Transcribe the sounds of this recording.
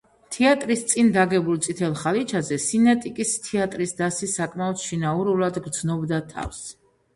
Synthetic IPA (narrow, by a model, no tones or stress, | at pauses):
t̪ʰɛat̪ʼɾist̪sʼind̪aɡɛbulˠt̪sʼit̪ʰɛlˠχalit͡ʃʰazɛsinɛt̪ʼikʼist̪ʰiat̪ʼɾisd̪asisakʼmaɔd̪ʃinauɾulˠad̪ɡɾd̪znɔbd̪at̪ʰa̰fs